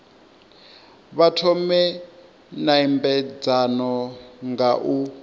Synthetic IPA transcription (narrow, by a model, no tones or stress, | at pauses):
βatʰɔmɛ | naimbɛd͡zanɔŋɡaʔu